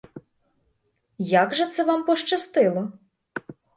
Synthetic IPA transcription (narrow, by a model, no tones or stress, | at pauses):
jaɡʒɛt̪sɛʋɑmpɔʃt͡ʃɐst̪ɪlˠɔ